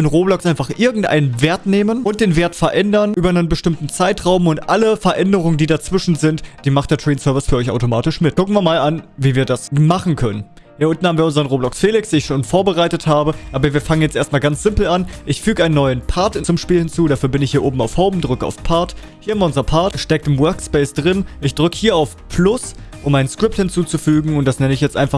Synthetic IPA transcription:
ənʁoːblɔksʔaɪnfaχʔɪɐɡŋ̩tʔa̰ɪnənveːɐtneːmənʊnt̚d̥eːnveːɐtfɛɐʔɛndɐnʔyːbɐnənbəʃtɪmtn̩t͡saɪtʁ̥aʊmʊntʔaləfɛɐʔɛndəʁ̞ʊŋəndiːdat͡sv̥ɪʃn̩zɪntd̥iːmaχt̚d̥eɐtʁ̥iːnsœɐvɪsfyːɐɔʏçʔaʊtomaːtɪʃmɪt̚kʰʊkn̩viːɐmaːlanviːviːɐdasmaχn̩kʰœnən | hiːɐʔʊntn̩haːbm̩viɐʊnzəʁənʁoːblɔksfeːlɪksd̥iːɪçʃoːnfoːɐbəʁaɪtəthaːbəʔaːbɐviːɐfaŋənjɛt͡stʔeːɐstmaːlɡant͡sz̥ɪmpl̩anʔɪçfyːɡəʔaɪnənːɔʏənpʰaɐtt͡sʊmʃpiːlhɪnt͡suːɾaːfyːɐbɪnɪçhiːɐʔoːbm̩aʊfhɔʊbm̩dʁʏkəa̰ʊfpʰaɐt | hiːɐhamɐʊnzɐpʰaɐtʃtɛk̚tɪmwœɐkspɛɪsd̥ʁɪnʔɪçd̥ʁʏkəhiːɐaʊfpʰlʊsʔʊmʔaɪnənskʁ̥ɪp̚thɪnt͡suːt͡sufyːɡŋ̩ʊnt̚d̥asnɛnəɪçjɛt͡stʔaɪnfa

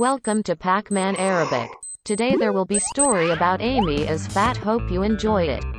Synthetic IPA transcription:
wɛlˠkə̃mtʰɨpʰækmæ̃nɛɹɨbɪ̰k | tʰɨdeɪðə˞wəlˠbistɔɹiɨbaʊɾẽɪ̃miɨz̥fæt̚hoʊpjɨɨ̃nd͡ʒɔɪɾɪ̰t̚

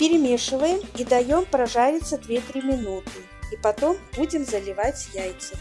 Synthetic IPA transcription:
pʲɪɾʲɪmʲeʂɨvəjɪmid̪ɐjompɾɐʐaɾʲɪt̪sːəd̪vʲet̪ɾʲimʲɪnut̪ɨ | ipɐt̪o̞mbud͡zʲɪmzɐlʲɪvat͡sʲjajt̪sɨ

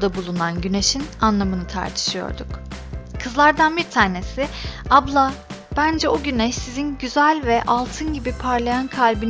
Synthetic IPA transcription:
d̪abulˠunanɟyne̞ʃinanlˠamɯnɯt̪ʰa̰ɾt̪ʰɯ̥ʃɯjo̞̰ɾd̪ukkʰɯzlˠaɾd̪anbiɾt̪ʰaːne̞siablˠa | b̥ænd͡ʒɛoɟynɛʃsizinɟyzælʲvɛʔalˠt̪ʰɯnɟibipʰaɾlˠajankʰalʲbin

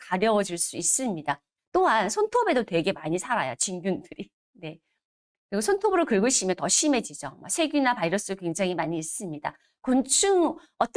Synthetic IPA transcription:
kaɾjʌwʌd͡ʑiɭs͈uis͈ɯmɲida | t͈oɦansʰʌntʰobe̞dotwe̞ɡe̞maɲisʰaɾajot͡ɕinɡjundɯɾi | ne̞ | kɯɾiɡosʰʌntʰobuɾɯɭkɯɭɡɯɕʰimjʌntʌɕʰime̞d͡ʑid͡ʑʌma̰ksʰe̞ɡjinapaiɾʌs͈ɯdokwe̞ŋd͡ʑaŋɦimaɲiːs͈ɯmɲida̰ | kont͡ɕʰɯŋ | ʌt͈

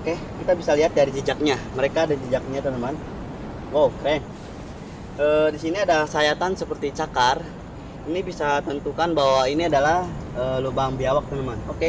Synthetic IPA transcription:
oke | kit̪abisaliɦat̪̚daɾid͡ʒid͡ʒak̚ɲaməɾekadad͡ʒid͡ʒak̚ɲat̪unəman | wowkɾɛn | əːdisiniadasajat̪ansəpərt̪it͡ʃakar | inibisat̪ənt̪ukanbaɦwainiadalahəːlubaŋbiawak̚t̪unəmanoke

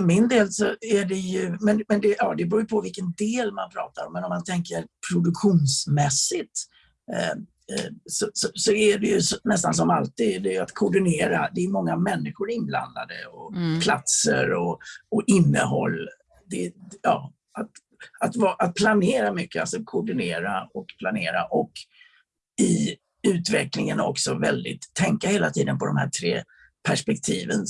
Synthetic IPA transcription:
fœɾmɪnd̪eːlsɔæɖɛjɵmɛnmɛnd̪ɛjɑːd̪ɛbɾuːɾjəpʰɔvɪlkənd̪eːlmanpʰɾɑ̰ːt̪aɾɔmːɛnɔmːant̪ʰɛŋkəɾpʰɾʊd̪ɵkɧuːnsmɛsɪt̪ | sɔsɔsɔæɖɛjɵsɔnɛs̬t̪ans̬ɔma̰lt̪iːd̪d̪ɛjat̪kʰʊɖɪneːɾa̰d̪ɛːɾmɔŋːamɛnːɪɧʊɾɪnbla̰nd̪a̰d̪əɔpʰlat̪sə̰ɾɔɔʔɪnːəɦɔlː | d̪ɛjɑː | at̪ | at̪vɑʔat̪̚pʰlaneːɾamʏkːəalsɔkʰʊɖɪneːɾaɔkpʰlaneːɾaʔɔk | ɪ | ʉ̟ːt̪vɛklɪŋənɔ̰ksɔvɛ̰ld̪ɪ̰t̪ʰːɛŋkaheːlat̪ʰiːd̪ənpʰɔd̪ɔmhæ̰ːʈ̪ʰɾeː | pʰæʂpɛk̚t̪ʰiːvən

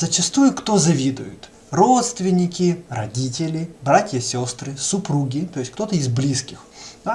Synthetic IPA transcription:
zət͡ɕɪst̪ujʊkt̪ozɐvʲid̪ʊ̰jʊ̰t̪ | ro̞t̪st̪vʲɪnʲɪkʲɪrɐdʲitʲɪlʲɪbɾatʲjɐsʲost̪ɾɨsʊpɾuɡʲɪt̪ojɪsʲkt̪o̞t̪əɪzblʲiskʲɪxd̪a

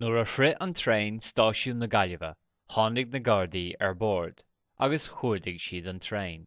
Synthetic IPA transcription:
noɹəfɹɪʔənt̪ʰɹẽːnstɑːʃuːnəɡaləvə̰ | hɑːndɪɡ̚nəɡɑɹdiːɛ̰ɹbɔːɹd̥ | ʔa̰ɡəshuːɹdɪɡʃiːdənt̪ʰɹẽːn

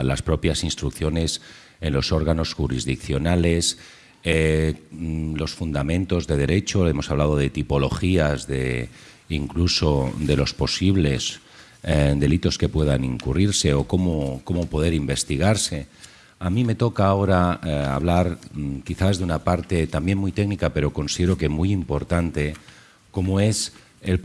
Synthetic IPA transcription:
laspɾo̞pjasinst̪ɾukθjo̞ne̞s | e̞nlo̞so̞ɾɣ̞ano̞sxuɾizðikθjo̞nale̞s | lo̞sfund̪amẽ̞nt̪o̞zðe̞ð̞e̞ɾe̞t͡ʃo̞e̞mo̞saβlaðo̞ð̞e̞t̪ipo̞lo̞̰xiazðe̞ | iŋkluso̞d̪e̞lo̞spo̞siβle̞s | d̪e̞lit̪o̞ske̞pwe̞ðaniŋkuriɾse̞o̞ko̞moko̞mopo̞ð̞e̞ɾimbe̞st̪iɣ̞aɾse̞ | amĩme̞t̪o̞kaːo̞ɾaa̰β̞laɾkiθazðeunapaɾt̪e̞t̪ambje̞nmujt̪e̞knikape̞ɾo̞ko̞nsiðeɾo̞kemujimpo̞ɾt̪ant̪e̞ | ko̞moe̞s | el

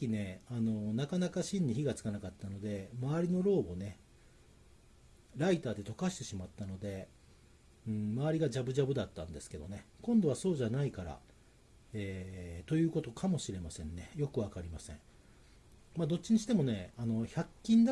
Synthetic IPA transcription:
kʲine̞ano̞nakanakaɕĩɲ̟ɲːiçiɡat͡sɨ̥kanakat̪ːano̞d̪e̞maaɾʲino̞ɾo̞ːbo̞ne̞ | ɾait̪aːd̪e̞t̪o̞kaɕi̥t̪e̞ɕimat̪ːano̞d̪e̞ | ɯ̟̃ɴmaβaɾʲiɡad͡ʑabɯ̟ʑabɯ̟d̪at̪ːã̰nd̪e̞sɨ̥ke̞d̪o̞̰ne̞kõ̞nd̪o̞β̞aso̞ːʑanaikaɾa̰ | eːt̪o̞jɯ̟ːko̞t̪o̞kʰamo̞ɕiɾe̞masẽ̞nːe̞jo̞kɯ̟β̞akaɾʲimasẽ̞̰ɴ | maːd̪o̞t͡ɕːiɲ̟iɕi̥t̪e̞mo̞ne̞ano̞çakʲːĩnd̪a

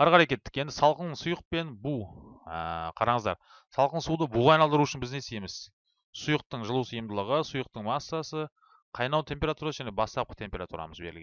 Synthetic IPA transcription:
ɑɾqɑɾɑjkʲe̞t̪ːɪ̥kʲe̞nd̪ɪsɑlˠqənsʊjəq̚pe̞nbuə̰qʰɑɾɑɴəzd̪ɑ̰ɾ | sɑlˠqənsud̪əbuʁɑjnɑlˠd̪əɾuʏʃɪnbɪzne̞sejemɪz̥ | sʊjəq̚t̪əɴʒəlˠuwsijəmd̪əlˠəʁəsʊjəq̚t̪əɴmɑsːɑsə | qʰɑjnɑwt̪ʰe̞mpʲe̞ɾat̪uɾɑsəʒæne̞bɑst̪ɑp̚qə̥t̪ʰe̞mpʲe̞ɾat̪ṵɾɑ̰məzbe̞ɾɪlɡ̪ʲ

